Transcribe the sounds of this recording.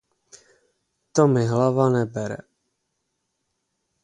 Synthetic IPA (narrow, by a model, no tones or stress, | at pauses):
t̪omɪɦlavanɛbɛɾɛ̰